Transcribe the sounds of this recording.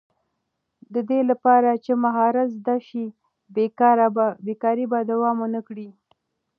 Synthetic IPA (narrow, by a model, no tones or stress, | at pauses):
d̪əd̪elapɑɾat͡ʃemaɦɑɾazd̪aʃi | be | bekɑɾibad̪awɑmonəkɽi